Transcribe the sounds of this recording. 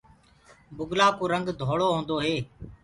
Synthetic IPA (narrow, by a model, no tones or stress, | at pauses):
bʊɡlaːkoːɾəŋɡd̪ʱoːɽoːɦõːnd̪oːɦeː